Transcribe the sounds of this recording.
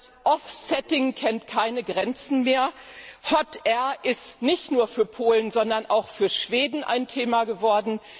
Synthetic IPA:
sʔɔfsɛtɪŋkʰɛntkʰaɪnəɡʁɛnt͡sn̩meːɐ | hɔtʔɛɐʔɪstnɪçtnuːɐfyːɐpʰoːlənzɔndɐnʔaʊxfyːɐʃv̥eːdn̩ʔa̰ɪntʰeːmaɡəvɔɐdn̩

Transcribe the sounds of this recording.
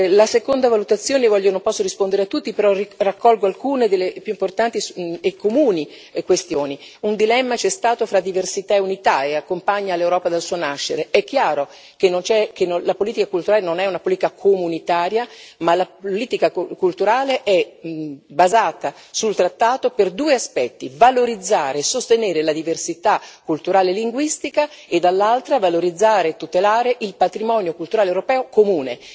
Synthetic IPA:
lasekond̪avalut̪at̪sːjoːnevɔʎːjonõmpɔsːoɾispond̪eɾeat̪ːut̪ːipeɾɔrirakːɔlɡoalkuːned̪elːepjuimport̪ant̪iekʰːomuːni | kwest̪joːniund̪ilɛmːat͡ʃɛst̪aːt̪ofɾad̪ːiversit̪aeunit̪aeakːompaɲːalewɾɔːpad̪alsuːonaʃːeɾeɛkːjaːɾo | kenːont͡ʃɛkenolapoliːt̪ikakult̪uɾaːlenonɛunapoliːt̪ikakʰomunit̪aːɾjamalapoliːt̪ikakult̪uɾaːleʔɛ | bazaːt̪a | sult̪ɾat̪ːaːt̪operd̪uːeaspɛt̪ːivaloɾid̪zːaːɾesost̪eneːɾelad̪iversit̪akːult̪uɾaːleliŋɡwist̪ikaed̪ːalːalt̪ɾavaloɾid̪zːaːɾeːt̪ːut̪elaːɾeʔilpat̪ɾimɔːnjokult̪uɾaːlewɾopɛːokomuːne

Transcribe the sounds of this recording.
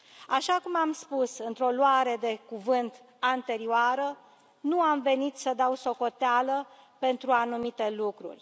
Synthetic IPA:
aʃakumamspusɨnt̪ɾo̞loaɾe̞d̪e̞kuvɨnt̪ | ant̪e̞ɾioaɾə | nuamve̞nit̪səd̪awso̞ko̞t̪ealə | pe̞nt̪ɾuanumit̪e̞lukɾṵrʲ

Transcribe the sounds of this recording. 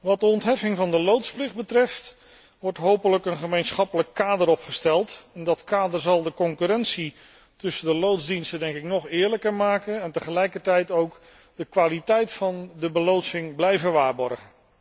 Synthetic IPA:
ʋɑt̚dəɔntɦɛfɪŋvɑndəlowtsplɪχdbətrɛft | ʋɔɹtɦowpələkənχəmejnsχɑpələkːaːdəɾɔpχəstɛlˠtɛndɑtkaːdəɹzɑlˠdəkɔŋkyɾɛnsi | tɵsədəlowzdinstədɛŋkɪknɔχɪːɹləkəɹmaːkənɛntəχəlɛjkəɹtɛjtowk | dəkʋaːlitɛjtfɑndəbəlowtsɪŋblɛjvəʋaːɹbɔɹχən

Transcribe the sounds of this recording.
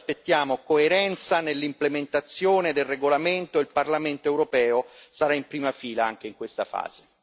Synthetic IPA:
spet̪ːjaːmokoeɾɛnt̪sanelːimplement̪at̪sːjoːned̪elreɡolament̪oilparlament̪oɛwɾopɛːosaɾaimpɾiːmafiːlaaŋk̟eiŋkwest̪afa̰ːz̥e

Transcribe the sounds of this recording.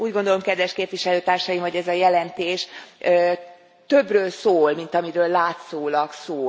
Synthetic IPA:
uːɟɡo̞nd̪olo̞mkɛd̪ʋɛʃkeːpvʋiʃɛløːt̪aːrʃɒjimvoɟɛzɒjɛlɛnt̪eːʃ | t̪ø̞brøːlsoːlmint̪ɒmiɾøːlːaːt̪soːlɒksoː

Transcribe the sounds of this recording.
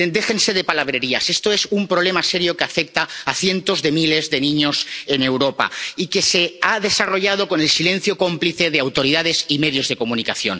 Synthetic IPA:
nd̪e̞xe̞nse̞ð̞epalaβ̞ɾeɾiasest̪oesumpɾoβ̞le̞maseɾjokeafek̚t̪aːθje̞nt̪ozðemile̞zðenĩɲosene̞wɾopa̰ikeseaðe̞saro̞ʎað̞okone̞lsile̞n̟θjoko̞mpliθeðeawt̪o̞ɾiðað̞esimeðjo̞zð̞e̞komũnikaθjon

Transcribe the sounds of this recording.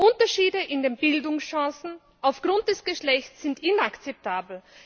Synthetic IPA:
ʔʊntɐʃiːdəʔɪndeːnbɪldʊŋsʃãːsn̩ | ʔaʊfɡ̥ʁʊnt̚d̥ɛsɡ̥əʃlɛçt͡sːɪntɪnakt͡sɛp̚tʰaːbl̩

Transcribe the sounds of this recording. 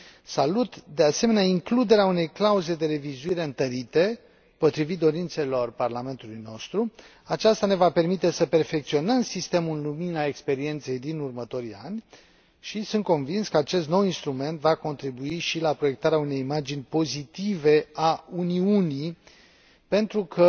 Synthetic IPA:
salut̪d̪e̞ase̞me̞neaiŋklud̪e̞ɾeaune̞jklauze̞d̪e̞ɾe̞vizuiɾe̞ɨnt̪əɾit̪e̞ | po̞t̪ɾivit̪̚d̪o̞ɾint̪se̞lo̞rparlame̞nt̪ulujno̞st̪ɾu | at͡ʃast̪ane̞vape̞rmit̪e̞səpe̞rfe̞k̚t̪sio̞nəmsist̪e̞mulluminae̞kspe̞ɾie̞nt̪se̞jd̪inurmət̪o̞ɾia̰nʲ | ʃisunt̪̚ko̞nvinskəat͡ʃe̞st̪no̞winst̪ɾume̞nt̪vako̞nt̪ɾibuiʃilapɾo̞je̞k̚t̪aɾeaune̞jimad͡ʒinʲpo̞zit̪ive̞auniunij | pe̞nt̪ɾukʰə

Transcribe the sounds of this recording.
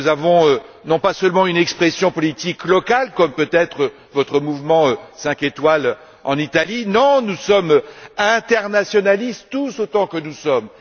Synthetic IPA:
uzavɔ̃ønɔ̃pasœlmɑ̃ynɛkspχɛsjɔ̃pɔlit̪iklɔkalkɔmpøt̪ɛt̪χə | vɔt̪χəmuvmɑ̃øsɛ̃ket̪wal | ɑ̰̃nit̪alinɔ̃nusɔmøɛ̃t̪ɛʁnasjɔnalist̪t̪usot̪ɑ̃kənusɔm

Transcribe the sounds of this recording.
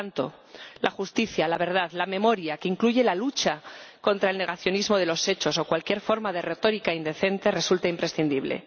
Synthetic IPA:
nt̪o̞̰ | lʔaxust̪iθjalaβ̞e̞ɾð̞aðlamẽ̞mo̞ɾjake̞iŋkluʝe̞lalut͡ʃako̞nt̪ɾae̞lne̞ɣaθjonizmo̞ð̞e̞lo̞se̞t͡ʃo̞so̞kwalkje̞ɾfo̞ɾmað̞e̞re̞t̪o̞ɾikaind̪e̞θe̞nt̪ere̞sult̪aimpɾe̞sθind̪iβle̞̰

